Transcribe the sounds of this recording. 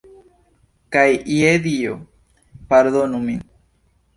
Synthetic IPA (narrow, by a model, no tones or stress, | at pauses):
kajieðio̰ | paɾðonumi